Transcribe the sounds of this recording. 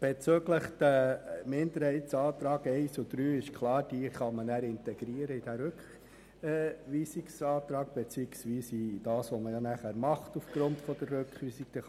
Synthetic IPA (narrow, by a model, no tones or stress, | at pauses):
b̥ɛt͡søːɡləχd̥æmɪnd̪əɾhɛɪtsɑːt̪ɾɑːɡɛɪsud̥̪ɾyːɪʃkʰlɑːɾd̥iχɑmənæɾɪntɛɡ̥ɾiəɾəid̥æɾøkχ | ʋiːsiksɑːt̪ɾɑːɡb̥ɛt͡siːɪksʋiːsid̥ɑːsʋɔməjɑnæχæːɾmɑχtufɡ̥ɾʊntfɔd̥ərːøkχʋiːsik̚d̥ɛ